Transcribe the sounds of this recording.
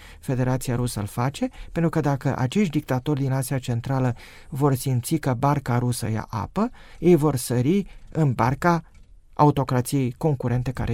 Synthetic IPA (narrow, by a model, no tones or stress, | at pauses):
fe̞d̪e̞ɾat̪siaɾusə̰lfat͡ʃe̞pent̪ɾukəd̪akəʔa̰t͡ʃe̞ʃt̪d̪ik̚t̪at̪o̞rʲd̪inasiat͡ʃe̞nt̪ɾalə | vo̞rsimt̪sikəbarkaɾusə̰ja̰ʔa̰pəje̞jvo̞rsəɾiɨnbarka | a̰ut̪o̞kɾat̪sije̞jko̞ŋkuɾe̞nt̪e̞ka̰ɾe